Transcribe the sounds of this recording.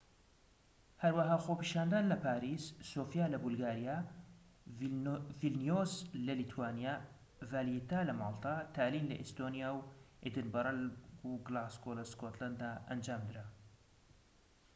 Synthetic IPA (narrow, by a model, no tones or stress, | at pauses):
hɐɾwɐɦaːxopiːʃaːnd̪aːnlɐpaːɾisːoːfjaːlɐbulɡaːɾijaː | vilnijozlɐlit̪ʰuwaːnija | vaːliit̪aːlɐmaːlˠt̪ʰat̪ʰaːlinlɐ̰ʔist̪onijaːwʔed̪ɨnbɐɾˤɐlɡuɡlaskolɐskot̪land̪ːaʔɐ̰nd͡ʒaːmd̪ɨɾa